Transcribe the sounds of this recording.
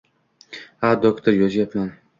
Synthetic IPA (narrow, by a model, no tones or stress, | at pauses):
had̪okt̪ʰoɾjɒzjapman